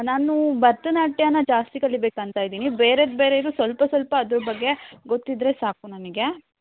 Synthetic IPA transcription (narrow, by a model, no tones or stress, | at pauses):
naːnubɐɾt̪ɐnaːʈːjɐnːɐd͡ʒaːst̪ikɐlːibeːkɐnt̪aːjd̪iːnibeːɾed̪̚beːɾeid̪usʋɐlpɐsʋɐlpɐːd̪ɾubɐɡːe̞ɡo̞t̪ːid̪ɾesaːkunɐmiɡe̞